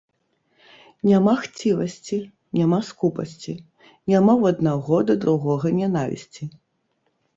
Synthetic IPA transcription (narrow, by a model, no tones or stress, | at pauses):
nʲamaxt͡sʲivɐsʲt͡sʲi | nʲamaskupɐ̰sʲt͡sʲi | nʲamawɐd̪̚naɣɔd̪ɐd̪ɾuɣɔɣɐnʲanavʲḭsʲt͡sʲi